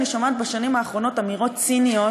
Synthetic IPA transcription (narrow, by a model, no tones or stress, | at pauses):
niʃomat̪̚baʃanimaːχʁo̞no̞tamiʁo̞t̪sinio